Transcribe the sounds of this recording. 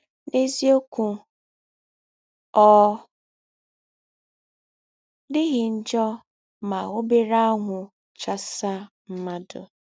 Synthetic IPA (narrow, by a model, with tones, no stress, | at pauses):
ne˦zi˦o˦ku˨ | ɔ˦ | dɪ˦ɣɪ˨n̩˦d͡ʒɔ˦ | ma˨ʊ˦be˦ɾa˦a˦ŋʷʊ˨ | t͡ʃa˦sa˦ | m̩˦ma˦dʊ̰˨